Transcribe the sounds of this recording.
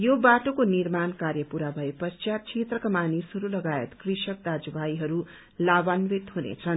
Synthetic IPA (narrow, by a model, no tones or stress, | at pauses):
jobaʈokonirmankaɾjʌpuɾabʱʌepʌst͡ʃjat͡sʰet̪rʌkamanisɦʌɾulʌɡaḛt̪krisʌk̚d̪ad͡zbajɦʌɾu | labanwet̪ɦunḛt͡sʰʌn